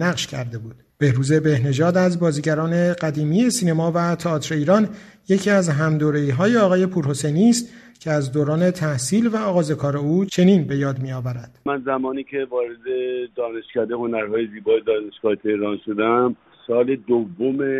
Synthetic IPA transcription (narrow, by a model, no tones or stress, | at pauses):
næɣʃcʰæɾd̪e̞buːd̪̥b̥e̞hɾuːze̞be̞hne̞ʒɒːd̪æzbɒːziːɟæɾɒːne̞ɢæd̪iːmiːje̞siːne̞mɒːvæt̪ʰeɒːt̪ʰɾe̞iːɾɒːn | je̞cʰiːæzɦæmd̪oːɾe̞iːɦɒːjeɒːɣɒːje̞pʰuːɾho̞se̞jniːst̪ | cʲʰe̞æzd̪oːɾɒːne̞t̪ʰæhsiːlvæɒːɣɒːze̞kʰɒːɾe̞uːt͡ʃʰe̞niːnbe̞jɒːd̪mijɒːvæɾæd̪̥mænzæmɒːniːcʰevɒːɾed̪ed̪ɒːneʃkæd̪ehonæɾɦɒːjeziːbɒːjed̪ɒːneʃɡ̥ɒːt̪ʰeɾɒːnʃod̪æm | sɒːled̪ovːome